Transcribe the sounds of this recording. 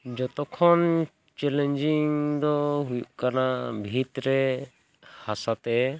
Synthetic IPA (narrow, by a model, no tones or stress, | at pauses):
d͡ʒɔt̪ɔkʰɔn | t͡ʃɛlɛɲd͡ʒiŋd̪ɔɦujuʔkanabʱit̪ɾɛ | hasat̪ɛ